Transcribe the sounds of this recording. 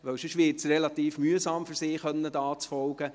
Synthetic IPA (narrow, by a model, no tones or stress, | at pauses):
ʋœwʃʏʃʋɪːtsrelɑt̪iːfmyəsɑːmfyɾsiːχœnːədɑːt͡sfɔlɡ̥ə